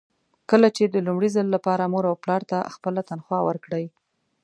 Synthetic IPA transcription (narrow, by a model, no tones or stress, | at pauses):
kəlat͡ʃed̪əlumɽizəlːapɑɾamoɾawplɑɾt̪axpəlat̪anxwɑwə̰ɾkɽəj